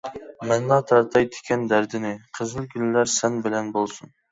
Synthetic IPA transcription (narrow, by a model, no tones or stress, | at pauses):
mɛnːɑt̪ʰɑɾt̪ʰɑjd̪ɪ̥kʲʰɛnd̪æɾd̪ɪnɪqʰəzɨlˠɡʲylːæɾsɛnbɪlɛnbolˠsun